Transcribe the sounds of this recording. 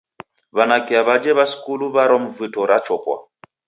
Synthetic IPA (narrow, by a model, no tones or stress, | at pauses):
βanakiaβad͡ʒɛβaskuluβaɾɔmvɨtɔɾat͡ʃɔkwa̰